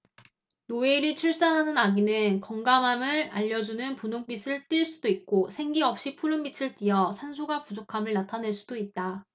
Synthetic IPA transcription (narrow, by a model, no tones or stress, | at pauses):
noe̞ɾit͡ɕʰuɭs͈anɦanɯnaɡinɯnkʌŋɡamamɯɭa̰ʎːʌd͡ʑunɯnpunoŋp͈is͈ʰɯɭt͈iɭs͈ud̥oit̚k͈osʰe̞ŋɡiʌp̚ɕ͈ipʰuɾɯmbit͡ɕʰɯɭt͈iʌsʰansʰuɡapud͡ʑokʰamɯɭnatʰanɦe̞ɭs͈ud̥oit̚t͈a